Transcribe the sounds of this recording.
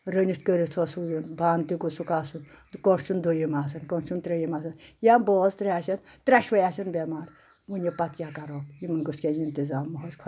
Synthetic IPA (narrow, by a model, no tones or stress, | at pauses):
ɾənʲist̪kəɾit͡sʰɔsuːjinbaːnt̪iɡusukaːsunkɔst͡ʃʰund̪ojimaːs̬ɐnkɔnt͡ʃʰunt̪ɾejimaːsɐnjambɔːzt̪ɾʲaːsɐnt̪ɾʲaʃʋɐjaːsɐnbʲemaːɾ | ʋunʲjepɐt̪kʲakaɾɔːpjimɐnɡuskʲejint̪izaːmːɔɦɔzkʰɐ